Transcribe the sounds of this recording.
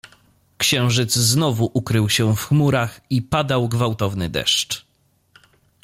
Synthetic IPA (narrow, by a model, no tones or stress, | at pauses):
kɕɛ̃w̃ʐɘd̪zznɔvuʔukɾɘwɕɛfxmuɾaxipad̪awɡvawt̪ɔvnɘd̪ɛ̰ʂt͡ʂ